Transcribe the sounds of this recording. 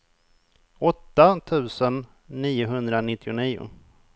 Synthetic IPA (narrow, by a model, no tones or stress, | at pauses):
ɔt̪ːat̪ʰʉ̟ːsənː | iːʊɦɵnd̪ɾanɪt̪ːɪʊniːʊ̰